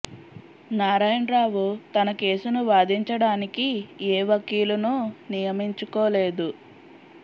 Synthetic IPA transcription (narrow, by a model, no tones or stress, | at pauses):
naːɾaːjɐnɾaːʋut̪ɐnɐke̞ːsunuʋaːd̪iɲt͡ʃɐɽaːnikieːʋɐkːiːlunuːnijɐmiɲt͡ʃukoːle̞ːd̪u